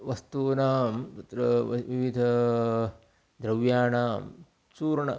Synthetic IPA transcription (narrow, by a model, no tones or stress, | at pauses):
ʋɐst̪uːnaːmt̪ut̪ɾɐʋiʋid̪ʱɐ | d̪ɾɐʋjaːnaːm | t͡ʃuːɾɳɐ̰